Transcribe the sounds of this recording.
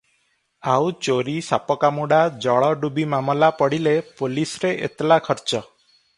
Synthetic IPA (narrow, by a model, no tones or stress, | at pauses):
awt͡ʃoɾisa̰pɔkamuɽad͡ʒɔɭɔɖubimamɔlapɔɽilepolisɾeʔḛt̪lakʰɔɾt͡ʃɔ